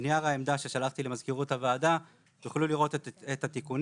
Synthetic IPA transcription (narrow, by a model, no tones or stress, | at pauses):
nijaʁaemd̪aʃe̞ʃalaχt̪ilemazkiʁut̪havaːd̪a | juχluliʁo̞t̪ethat̪ikun